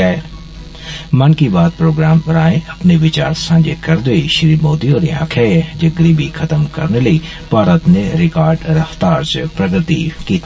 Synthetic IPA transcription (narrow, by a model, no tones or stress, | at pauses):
e | mɐnkibaːd̪̚pɾoːɡɾaːmpɐɾaːẽʔɐpneʋɪt͡ɕaːɾsãːd͡ʑekɐɾd̪oiʃɪɾiːmoːd̪ioːɾiã̰ːkʰɛd͡ʑɐɡɾibʱixʰɐt̪əmkɐ̰ɾneləi | b̥ʱaːɾət̪nẽɾɪkaːɾɖɾɐft̪aːɾt͡ʃəpɾɐɡɾət̪ikiːt̪ː